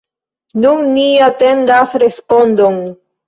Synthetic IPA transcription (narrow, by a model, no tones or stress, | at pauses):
nunniate̞ndasɾespo̞ndon